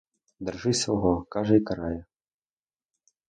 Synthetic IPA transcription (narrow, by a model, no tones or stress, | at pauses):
d̪ɐrʐɨsʲwɣɔkaʐɐikɐɾajɛ